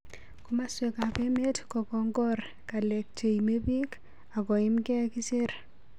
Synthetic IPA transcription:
ku˦ma˦swe˨ka˨pe˦me˦tkɔ˨kɔ˨ŋɡɔ˦r | ka˨le˨k̚t͡ʃe˨ime˦bi˦k | a˨kɔ˨ɪ˦mkɛ˦ki˦se˦ɾ

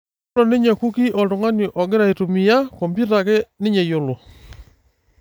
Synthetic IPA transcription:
lɔ˨nɪ˦ɲa˨ku˦ki˦ʔɔ˨do˨ŋa˦ni˨ʔɔ˨ɡe˦ɾa˨i˨tu˨mi˨ja˦kɔ˨mbi˦ta˨kɛ˦nɪ˦ɲɛ˨jo˦lɔ˨

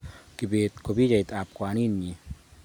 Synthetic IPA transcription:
ki˨be˨t̪ko˨bi˦d͡ʒa˨jt̪a˨p̚kʷwa˨ni˦˨nɲi˨

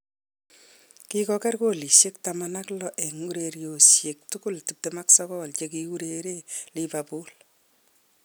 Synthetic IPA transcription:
kikɔkɛ˦rko˨li˨ʃje˦k̚tamana˦klɔ˦ʔe˨ŋu˦ɾe˨ɾjo˨sje˨k̚tʊkʊ˦ltu˨p̚tema˦ksɔkɔ˦˨lt͡ʃek̬iu˦ɾeɾe˦liba˨pu˦l

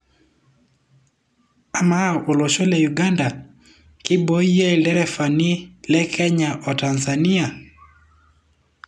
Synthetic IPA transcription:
a˨ma˦ʔo˨lo˨ʃo˦lɛ˨juɡa˦nda˨ | kɪ˦bo˦je˦˨lɛ˦ɾɛ˦fa˨ni˦lɛ˦kʰɛ˦ɲa˨ʔɔ˨ta˨nza˨ni˦a˨

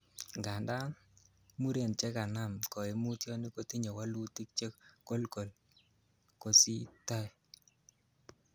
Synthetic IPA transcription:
ŋɡa˨nda˦ | mu˦ɾe˨nt͡ʃɛ˦ka˨na˦˨mkɔ˨e˨mu˦tjɔ˦ni˦ko˦ti˦ɲɔ˨wa˦lu˦ti˦k̚t͡ʃe˦kko˦lko˨l | ko˨si˦tɔ˦ɛ˨

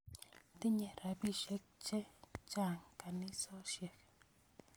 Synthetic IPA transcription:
t̪i˦ɲe˧ɾa˨bi˦ʃe˦k̚t͡ʃe˦t͡ʃa˦˨ŋka˨ni˦so˦ʃje˧˨k

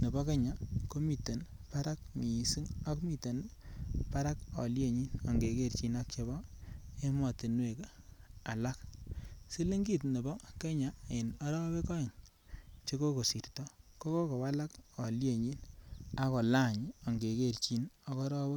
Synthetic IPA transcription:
ne˨bɔ˦ke˦ɲa˨ko˦mi˨te˨n | pa˦ɾa˦k̚mi˨i˨si˦ŋa˦kmi˨te˨npa˦ɾa˦kɔ̰˨lje˨ɲi˦no˨ŋɡe˨ke˨ɾt͡ʃi˨na˦k̚t͡ʃe˨bɔ˦e˦mɔ˨te˨nwe˨k | a˨la˦ksi˦li˦ŋɡi˦˨tne˨bɔ˦ke˦ɲa˨ɪ˨nɔ˦ɾɔ˦we˦kɔ˦i˨n | t͡ʃe˦ko˦ko˨si˨rtɔ˦ko˦ko˦ko˨wa˦la˦kɔ˨lje˦˨ɲi˦na˦ko˨la˦˨ɲɔ˨ŋɡe˨ke˦˨ɾt͡ʃi˦nɔ˦kɔ˦ɾɔ˦be˦

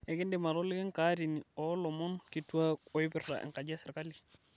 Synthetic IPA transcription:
ɛ˨ɡɪ˦ndɪ˨ma˨ɾɔ˦lɪ˦kɪ˦ŋka˦ɾi˨ni˨ɔ˨˦lɔ˨mɔ˦nki˨tu˦a˦ɔ˨˦i˦bɪ˦ra̰˨ʔɪ̰˨ŋka˨d͡ʒɛ˦sɪ˨ɾka˦li˨

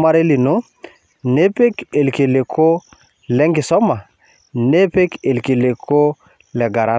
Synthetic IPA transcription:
ma˦ɾe˦li˨no˦ | ne˦pe˦ke˨lke˨le˨kʰo˦ | lɛ˦ŋɡi˨sɔ˦ma˨ | ne˦pe˦ke˨lke˨le˨kʰo˦ | lɛ˨ɡa˨ɾa˦

